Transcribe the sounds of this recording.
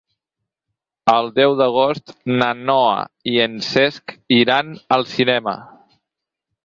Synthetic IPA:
əlˠd̪ɛwðəɣ̞ost̪nənɔə̰iənsɛskiɾanəlˠsinɛmə̰

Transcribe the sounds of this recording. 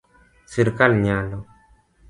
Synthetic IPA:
siɾkalɲalɔ

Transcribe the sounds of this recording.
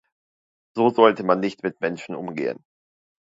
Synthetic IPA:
z̥oːzɔltəmanːɪçtmɪtmɛnʃn̩ʔʊmɡḛːə̰n

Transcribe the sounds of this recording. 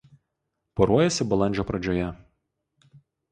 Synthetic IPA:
pɔɾuɔjɛsʲɪbɐlˠɐnʲd͡ʒʲoːpɾɐd͡ʒʲoːjɛ

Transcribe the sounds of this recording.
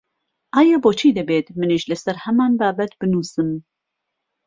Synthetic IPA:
ʔaːjɛboːt͡ʃʰiːd̪ɨbeːt̪mɨnɨʒlɨsɛɾhɛmaːnbaːbɛt̪b̥ɨnuːsɨm

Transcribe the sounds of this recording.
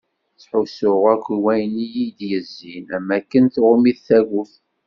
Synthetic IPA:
t͡sːħʊsʊʁækʷiwæjnijid̪jəzːinæmːækːənθʁʊmiðθæɣʊθ

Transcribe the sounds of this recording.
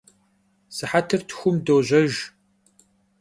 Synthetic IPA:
sɨħatʰɨrtʰxʷʊmdoːʑʷɐʒ

